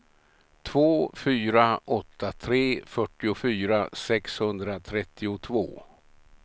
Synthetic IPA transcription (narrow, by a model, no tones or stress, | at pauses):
t̪ʰvoːfyːɾaʔɔt̪ːat̪ʰɾeːfœʈːɪʊfyːɾasɛkshɵnd̪ɾat̪ʰɾɛt̪ʰːɪʊt̪ʰvo̰ː